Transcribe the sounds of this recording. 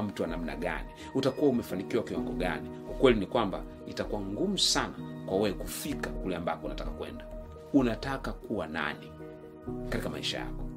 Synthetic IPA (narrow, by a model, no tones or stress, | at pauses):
m̩tuwanam̩na̰ɡa̰ni | utakuwaumɛfanikiwakiwaŋɡɔɡa̰ni | ukwɛlinikwamba | itakuwaŋɡum̩sanakwawɛɛkufikakulɛambakɔunatakakwɛ̰nda | unatakakuwana̰ni | katikama̰iʃa̰ja̰kɔ̥